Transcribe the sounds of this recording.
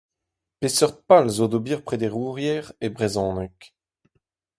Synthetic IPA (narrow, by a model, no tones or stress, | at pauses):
pesœʁt̪̚palzod̪obiːʁpχed̪eʁuːʁjɛʁebʁezɔ̃ːnɛk